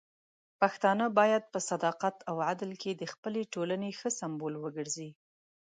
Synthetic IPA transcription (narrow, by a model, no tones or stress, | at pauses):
paxt̪ɑnəbɑjad̪̚pəsad̪ɑqat̪ʰawʕad̪lkʰed̪əxpəleʈolanexəsambolwəɡəɾzi